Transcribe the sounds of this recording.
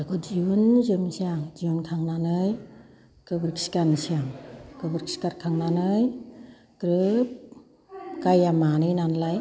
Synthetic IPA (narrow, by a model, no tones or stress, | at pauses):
akɔd͡ʒiunzɯmsiaŋziunkʰaŋnanɯj | kɯbɯɾksi̥kansiaŋkɯbɯɾksi̥kaɾkʰaŋnanɯj | kɾɯp̚ | kajamanɯjnanlaj